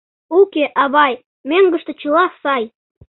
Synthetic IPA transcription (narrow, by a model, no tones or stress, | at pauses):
ukeʔɑβɑj | møŋɡə̆ʃt̪ɤ̆t͡ɕə̆lɑsɑj